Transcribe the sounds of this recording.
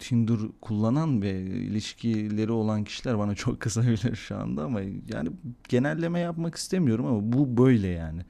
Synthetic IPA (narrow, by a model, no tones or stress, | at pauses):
t̪ʰind̪uɾkʰulˠːananvɛḭlʲiʃcʰilʲe̞ɾio̞lˠancʰi̥ʃilʲæɾbanat͡ʃʰo̞kʰːɯsabilʲiɾʃua̰nd̪aːmaja̰ːnɪɟ̥e̞nælʲːe̞mɛjapmaki̥st̪ʰe̞mijo̞ɾumamabubø̞jlʲɛjaːnɪ